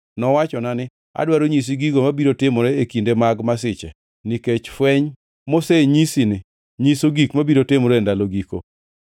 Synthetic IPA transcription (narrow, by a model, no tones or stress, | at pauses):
nɔwat͡ʃɔnanɪ | a̰dwaɾoɲis̬iɡiɡomabiɾotɪmoɾeekindemaɡmas̬ɪt͡ʃɛ̰ | niket͡ʃfwɛɲ | moseɲisinɪ | ɲisoɡikmabiɾotɪmoɾendaloɡiko̰